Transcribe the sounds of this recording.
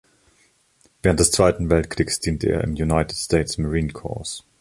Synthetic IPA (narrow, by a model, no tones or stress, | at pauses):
vɛːʁəntdɛst͡sv̥aɪtn̩vɛltkʁ̥iːksd̥iːntʰəʔḛːɐʔɪ̰mjunaɪtɪtstʰeɪtsmaʁiːnkʰɔ̰ɐs